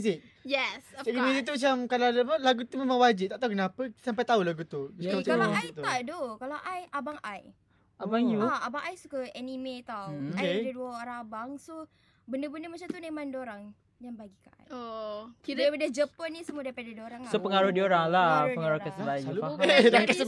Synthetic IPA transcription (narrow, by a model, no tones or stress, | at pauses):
zɪk̚ | jɛssakimizik̚t̪umat͡ʃamkaladapalaɡut̪umemãŋwad͡ʒit̪aʔt̪aukənapəsampajt̪aulaɡut̪ukamat͡ʃaalaait̪t̪aʔdokalawʔajʔabaŋʔaj | ʔabaŋjuaabaŋajsukəɛnimet̪awokakeadaduəoɾaŋabaŋso | bəndəbəndəmat͡ʃamt̪unemandoɾaŋ | danbaɡikaʔa̰jokiləapadad͡ʒəpənisəmuədapadadioɾaŋasopəŋaɾʊhdioɾaŋlapəŋaɾʊhkəsəlajaluadakaə